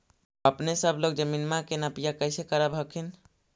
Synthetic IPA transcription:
əpnesəbloɡ̚d͡ʒəminmakenapijakəjsekəɾəbʱəkʰin

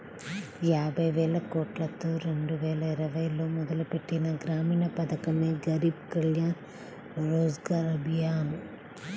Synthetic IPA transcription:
jaːbʱɐjʋɛːlɐkoːʈlɐt̪ːuːɾe̞ɳɖuʋɛːlɐiɾɐʋɐjloːmɔd̪ɐlupe̞ʈːinɐɡɾaːmiːnɐpɐd̪ɐkɐmeːɡɐɾiːbkɐljaːɾ | ɾoːd͡ʒɡaːɾɐbʱijaːnu

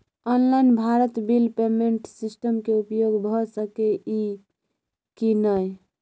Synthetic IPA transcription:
ɔnlajnbʱaɾət̪bilpemeɳʈsisʈəmkeupjoɡbʱɔsəkeʔi | kinəj

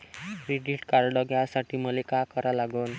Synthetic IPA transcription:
ɾiɖiʈkaɾɽɔɡjasaʈʰiːməlekakəɾalaɡuːn

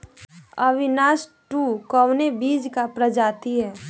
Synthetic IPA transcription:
əʋɪnaːsʈukɔwnebiːd͡ʒkapɾəd͡ʒaːt̪iɦɛː

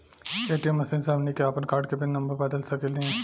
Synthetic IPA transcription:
eːʈijemːɐsiːnsamnikeaːpənkaːɾɖkebʱinɐ̃mbəɾbaːd̪əlsɐkəld̪ĩɛ̃

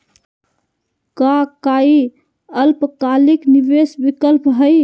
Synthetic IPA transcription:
kakai | əlpkalikniʋesbikəlpɦəj

